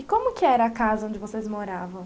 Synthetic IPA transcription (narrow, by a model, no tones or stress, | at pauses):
ɪkõmʊkɪɛɾɐːkazɐõd͡ʒɪvosezmoɾavɐ̃w̃